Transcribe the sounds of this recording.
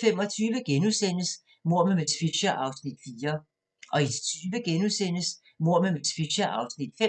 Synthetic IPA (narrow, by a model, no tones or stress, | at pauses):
fem̰ɒ̽t͡sʰyːʋəɡ̥enuðˠsen̰əs | mo̝ɐ̰memesʰʋiɕɐʔɑ̈ʊsnid̥fiːɐ | ʔɒ̽it͡sʰyːʋəɡ̥enuðˠsen̰əs | mo̝ɐ̰memesʰʋiɕɐʔɑ̈ʊsnid̥fe